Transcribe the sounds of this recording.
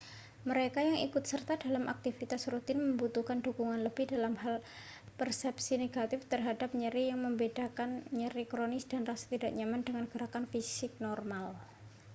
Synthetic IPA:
məɾekajaŋḭkʊt̪sərt̪adalamʔa̰k̚t̪ifit̪asrut̪ɪnməmbut̪uhkandukuŋanləbɪhdalamhal | pərsɛpsineɡat̪ɪft̪ərɦadap̚ɲəɾijaŋməmbedakanɲəɾikɾonɪsd̥anrasḁt̪idaʔɲamandəŋanɡ̥əɾakanfisɪk̚nɔrmal

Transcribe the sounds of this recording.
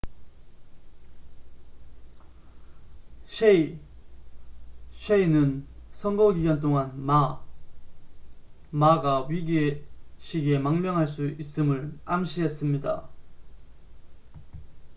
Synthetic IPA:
ɕʰe | ɕʰeinɯnsʰʌŋɡoɡiɡant̬͈oŋanma | maɡaɥiɡeɕʰiɡemaŋmjʌŋɦaɭs͈uis͈ɯmɯɭamɕʰiɦes͈ɯmɲida̰

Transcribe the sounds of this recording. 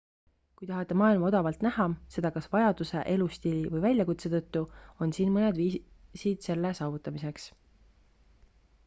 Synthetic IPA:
kujt̪ɑɦɑt̪ːˑemɑːilmɑo̞d̪ɑvɑlt̪næhɑse̞d̪̥ɑkɑsvɑjɑd̪use̞̰ʔe̞lust̪ilʲivɤjvælʲjɑkut̪se̞t̪ɤt̪ːuo̞nsiːnmɤned̪viːsid̪̥se̞lːesɑːvut̪ːˑɑmise̞ks

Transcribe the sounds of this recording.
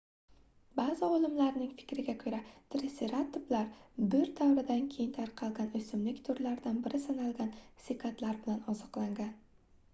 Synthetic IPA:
baːzɪolˠɪmlaɾnɪŋfɪ̥kʲɾɪɡʲakʰɵɾat̪ʰɾɪseɾat̪ːʊblaɾbɪɾd̪awɾɪd̪ankʲʰe̞jɪnt̪ʰaɾqʰɑlˠɡʲanɵsɪmlɪkʲt̪ʰʊɾlaɾd̪anbɪɾɪsanalˠɡʲansɪkʰat̪laɾbɪlanɒzɒqlˠaŋɡʲan

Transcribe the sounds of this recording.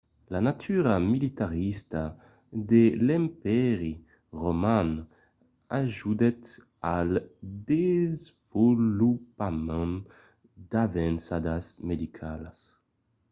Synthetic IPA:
lanat̪ʰyɾamilit̪aʁist̪a | d̪elɛmpɛʁi | ʁoman | aʒud̪ɛt̪ | ald̪ezvulupamɛ̃n | d̪avɛnsad̪asmed̪ikʰalas

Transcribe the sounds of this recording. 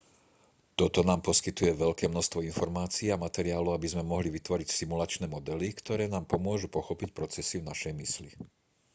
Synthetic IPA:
t̪ɔt̪ɔnaːmpɔskit̪ujɛʋɛʎkɛːmnɔʃst̪ʋɔinfɔɾmaːt͡siːamat̪ɛɾiaːluabizmɛmɔɦliʋit̪ʋɔɾicsimulat͡ʃnɛːmɔd̪ɛlikt̪ɔɾɛːnaːmpɔmʊɔʒupɔxɔpicpɾɔt͡sɛsivnaʃɛjmisli

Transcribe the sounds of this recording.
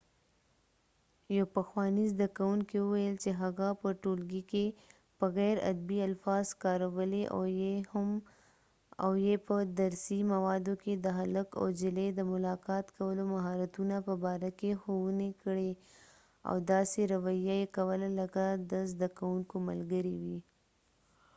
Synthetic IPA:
japəxwɑnizd̪akawuŋkiwʊwajəlt͡ʃeɦaɣapəʈolɡike | b̥əɣɛɾa̰d̪bialfɑzkɑɾawəleʔ | m | a̰wjepəd̪aɾsimawɑd̪oked̪əɦaləka̰wd͡ʒɪled̪əmʊlɑkɑt̪kawəlomaɦɑɾat̪unapəbɑɾakexowunekəɽe | a̰wd̪ɑseɾawajajekawəlaləkad̪əzd̪akawuŋkoma̰lɡəɾiwi

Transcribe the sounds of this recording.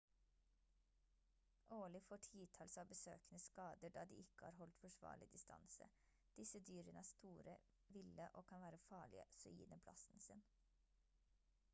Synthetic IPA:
ʔoːlɪfoːʈʰiːt̪ʰɑːlsɑːʋbəsø̰ːkənəskɑːd̪əɖɑːd̪ḭːɪkə̥hɑ̰ːɾhɔlt̪fɔʃʋɑ̰ːɭɪd̪ɪst̪ʰɑ̰nsə̰ | d̪̥ɪsəd̪yːɾənəæːst̪uːɾə | ʋɪləʔoːkʰɑnʋæːɾəfɑːɭɪə̰sɔḭːnəpʰlɑ̰sn̩sɪn

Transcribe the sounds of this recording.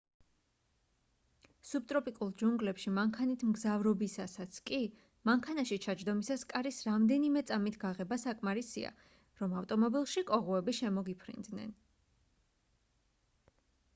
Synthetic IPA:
sub̚t̪ʼɾɔpʼikʼulˠd͡ʒuŋɡlɛpʃimaŋkʰanit̪ʰmɡzavɾɔbisasat̪sʰkʼi | maŋkʰanaʃit͡ʃʰad͡ʒd̪ɔmisaskʼaɾisɾamd̪ɛnimɛt̪sʼamit̪ʰɡaʁɛbasakʼmaɾisḭa̰ | ɾɔmavt̪ʼɔmɔbilˠʃikʼɔʁuɛbiʃɛmɔɡipʰɾḭnd̪nɛ̰n

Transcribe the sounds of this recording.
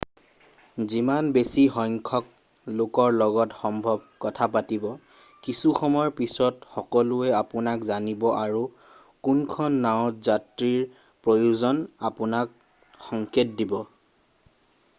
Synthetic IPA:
zimanbesixɔjŋkʰɔk̚ | lokɔɹlɔɡɔtxɔmbʱɔb̚kɔtʰapatibɔ | kisuxɔmɔɔɹpisɔtxɔkɔlʊɛapʊnakzanibɔʔaɹu | kunkʰɔnːaʊ̃tzatɹiɹ | pɹojuzɔnapʊnak̚ | xɔŋkʰetdibɔ

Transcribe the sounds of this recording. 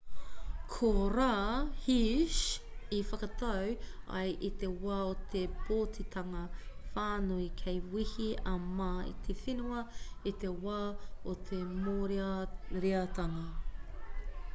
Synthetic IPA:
kʰoɾaːhiʃifɐkɐt̪ʰɐwɐ̰jʔit̪ewaot̪ʰeb̥oːtʰit̪ʰɐŋɐfaːnuikʰejwihiɐmaːḭt̪ʰefinuɐit̪ewaːot̪ʰemoːɾɾiɐt̪ɐŋɐ

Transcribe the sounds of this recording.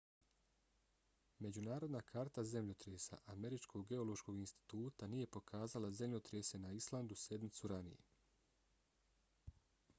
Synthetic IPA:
me̞d͡ʑunaːɾod̪nakʰaːɾt̪aze̞mʎot̪ɾeːsa̰ʔame̞ɾit͡ʃkʰo̞ɡɡe̞o̞lo̞ʃko̞ɡinst̪i̥t̪uːt̪anije̞po̞kʰaːzalaze̞mʎot̪ɾese̞naislˠand̪use̞d̪nit̪suɾanḭjḛ

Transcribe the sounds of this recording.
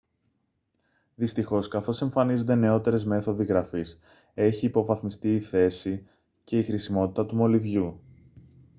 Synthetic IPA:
ðist̪ixo̞skɐθo̞se̞ɱfɐnizund̪e̞ne̞o̞t̪e̞ɾe̞zme̞θo̞ðiɣɾɐfis | e̞çiːpo̞vɐθmist̪iːθe̞si | ce̞ixɾisimo̞t̪i̥t̪ɐt̪umo̞livʝu

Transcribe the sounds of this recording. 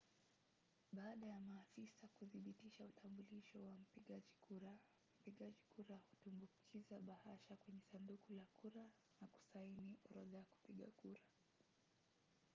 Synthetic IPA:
ɓaːɗajamaːfisakuðiɓitiʃautʰambuliʃɔwam̩piɠaʄikuɾa | m̩piɠaʄikuɾahu̥tumbukʰizaɓahaʃakwɛɲɛsandukulakuɾa | naku̥sainiʔɔɾɔðaaku̥piɠa̰kuɾa

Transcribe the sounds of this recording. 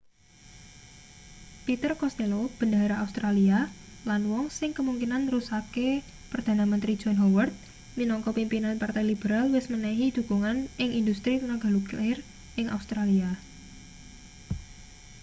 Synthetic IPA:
pit̪ərkɔst̪elob̥əndaɾaaust̪ɾalialanwɔŋsɪŋkəmuŋkinanrusake | pərd̪̥a̤namənt̪ɾi̥d͡ʒ̥ɔnɦɔwərt̪̚ | minɔŋkɔpimpinanpart̪ajlibəɾalwɪsmənaɦid̪̥ṳkuŋanɪŋʔindust̪ɾinaɡa̤luklɪr | ʔɪŋa̰ust̪ɾalia

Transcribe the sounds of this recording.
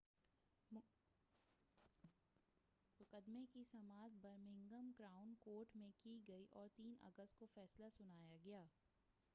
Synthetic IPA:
mʊkəd̪mekisɐmaːt̪bɐɾmɪ̃ŋɡəmɡɾaːʊnkoːɾʈmẽkiɡɐiʔɔːɾt̪iːnɐ̰ɡəst̪̚kofɛːslasʊnaːjaɡɐjaː

